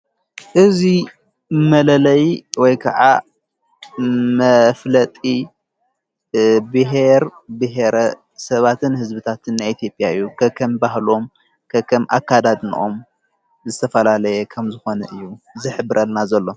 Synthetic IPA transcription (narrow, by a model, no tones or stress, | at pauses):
ʔɨzi | mɐlɐlɐjwɔjkʰɐ̰ʕa̰ | mɐflɐt̪ʼi | bɨɦeɾbɨɦeɾɐ | sɐβat̪ʰɨnhɨzbɨt̪ʰat̪ʰɨnːajit̪ʰijo̞pʼːjaɨjːukʰɐkʰɐmbaɦlo̞m | kʰɐkʰɐmʔa̰kːad̪ad̪n̰ʔo̞̰m | zɨt̪ʰɐfɐlalɐjɛkʰɐmzɨxo̞nɐʔɨjːuzɨħɨbɨɾʔɐlnazɐlːo̞